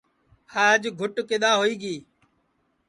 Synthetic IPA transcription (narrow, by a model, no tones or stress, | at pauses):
haːəd͡ʒɡʱʊʈkeɗ̪aːɦoːiːɡiː